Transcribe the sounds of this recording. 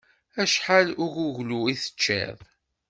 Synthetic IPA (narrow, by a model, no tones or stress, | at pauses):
æʃħalʊʝuʝluiθə̥t͡ʃːæ̰ðˤ